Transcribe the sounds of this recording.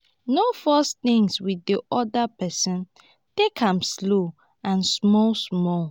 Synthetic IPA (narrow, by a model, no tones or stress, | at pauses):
nofɔsθĩŋswidiʔɔdapɛsɔ̃n | tekʰãmslo | ãnsmɔlsmɔl